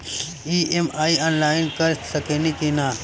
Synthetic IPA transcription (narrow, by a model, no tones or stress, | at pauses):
iːemaːiaːnlaːɪnkɐɾsɐkeːnikinaː